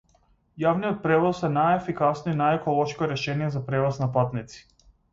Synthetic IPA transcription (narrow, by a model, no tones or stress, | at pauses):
javnijɔt̪̚pɾɛvɔsɛnajɛfikasnɔinajɛkɔlˠɔʃkɔɾɛʃɛnijɛzapɾɛvɔsnapat̪nit̪si̥